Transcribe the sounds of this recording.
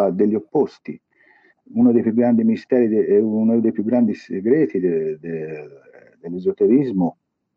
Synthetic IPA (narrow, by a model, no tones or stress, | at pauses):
ad̪eʎːiopːost̪i | unad̪ejpjuɡːɾand̪imiist̪ɛːɾid̪eɛuunad̪ejpjuɡːɾand̪iseɡɾɛːt̪id̪ed̪e | d̪elːezot̪eɾizmʊ